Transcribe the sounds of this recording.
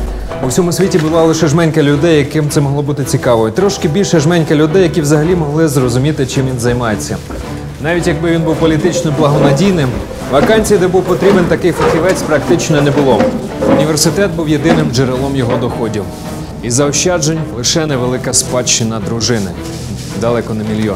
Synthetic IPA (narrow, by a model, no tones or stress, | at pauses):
uwsʲɔmʊsʲʋʲitʲibʊlˠɑlˠɪʃɛʒmɛnʲkɐlʲʊd̪ɛjːɐkɪmt̪sɛmɔɦlˠɔbut̪ɪt͡sʲikɑʋɔit̪ɾɔʃkɪbʲilʲʃɛʒmɛnʲkɐlʲʊd̪ɛjɐkʲiwzɐɦɐlʲimɔɦlˠɪzrɔzʊmʲit̪ɪt͡ʃɪmʋʲinzɐjmɑjet͡sʲːɐ | nɑʋʲitʲjɐɡ̚bɪʋʲinbuwpɔlʲit̪ɪt͡ʃnɔblˠɐɦɔnɐdʲijnɪm | ʋɐkɑnʲt͡sʲijɐd̪ɛbuwpɔt̪ɾʲibent̪ɐkɪjfɐxʲiʋɛt͡sʲpɾɐkt̪ɪt͡ʃnɔnɛbʊlˠɔ | ʊnʲiʋe̞rsɪt̪ɛt̪̚buwje̞d̪ɪnɪmd͡ʒeɾelˠɔmjɔɦɔd̪ɔxɔdʲiw | izɐɔʃt͡ʃɑd͡ʒenʲlˠɪʃɛnɛʋelˠɪkɐspɑt͡ʃːɪnɐd̪ɾʊʒɪnɪ̰ | d̪ɐlˠɛkɔnɐmʲilʲjɔ